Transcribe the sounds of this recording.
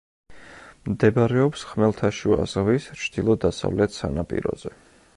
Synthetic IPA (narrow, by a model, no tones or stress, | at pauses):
md̪ɛbaɾɛɔpsχmɛlˠt̪ʰaʃua̰z̥ʁvist͡ʃʰd̪̥ilˠɔd̪asa̰vlɛt̪ʰsa̰napʼḭɾɔ̰zɛ